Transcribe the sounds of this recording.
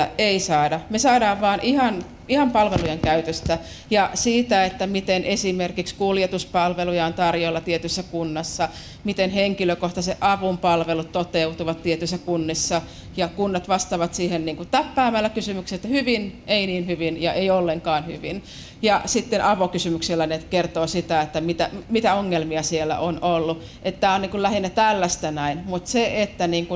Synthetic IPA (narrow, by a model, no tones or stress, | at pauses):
eisɑːdɑmesɑːdɑːʋʋɑːnʔihɑn | ihɑmpɑlʋelujeŋkæyt̪øst̪æ | jɑsiːt̪æet̪ːæmit̪enʔesimerkikskuljet̪uspɑlʋelujɑont̪ɑrjolːɑt̪iet̪ysːækunːɑsːɑ | mit̪enheŋkiløkoht̪ɑseʔʔɑʋumpɑlʋelut̪t̪ot̪eut̪uʋɑt̪tiet̪ysːækunːisːɑ | jɑkunːɑt̪ʋɑst̪ɑʋɑt̪siːhenniːŋkut̪t̪æpːæːmælːækysymykset̪ːhyʋinʔeiniːnhyʋinjɑʔeiolːeŋkɑːnhy̰ʋin | jɑsit̪ːenʔɑʋokysymykselːænekert̪oːsit̪æet̪ːæmit̪æmit̪æoŋːelmiɑsielːˑæ̰ʔonolːu | ʔet̪t̪æːonniːŋkullæhinːæt̪ælːæst̪ænæinmut̪seʔet̪ːæniːŋku